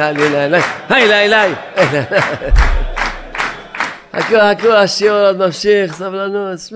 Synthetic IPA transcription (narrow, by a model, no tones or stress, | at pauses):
alilajlajhajlajlajajlala | ha̰kuhakuaʃiot̪mamʃiχsavlanus